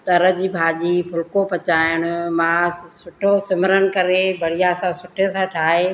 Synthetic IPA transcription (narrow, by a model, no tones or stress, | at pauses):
t̪ɐɾəd͡ʑiːbʱaːʄiːpʰʊlkopɐt͡ɕaːɪɪɽ̃ʊ̆mãːsʊʈʰosɪmɾənɪ̆kɐɾebʱɐɽ̤ijasãsʊʈʰesãːʈʰaːɦe